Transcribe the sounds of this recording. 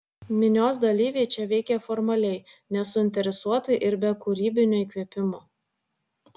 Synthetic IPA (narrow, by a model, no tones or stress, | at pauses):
mʲɪnʲoːs̬d̪ɐlʲiːʋʲɛɪt͡ʃʲɛʋʲɛɪkʲɛfɔɾmɐlʲɛɪnʲɛsʊɪnʲt̪ʲɛɾʲɛsuɔt̪ɐʔɪɾbʲɛkʊɾʲiːbʲɪnʲoiːˑkʋʲiɛpʲɪmoː